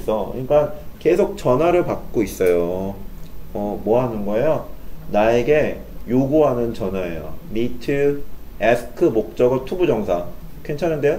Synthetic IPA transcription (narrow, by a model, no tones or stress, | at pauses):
s͈ʰʌḭɭk͈anke̞sʰok̚t͡ɕʌnwaɾɯɭpak̚k͈ois͈ʌjo | ʌmwʌɦanɯnɡʌe̞jonae̞ɡe̞ | joɡuɦanɯnt͡ɕʌnɦwaḛjo̰nitʰɯesʰɯ̥kʰɯmok̚t͡ɕ͈ʌɡɯtʰubud͡ʑʌŋsʰa | kʰent͡ɕʰanɯnde